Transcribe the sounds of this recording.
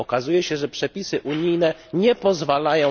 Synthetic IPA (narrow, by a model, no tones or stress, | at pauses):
ɔkazujɛɕɛʐɛpʂɛpʲisɘʔuɲijnɛɲɛpɔzvalajɔ̃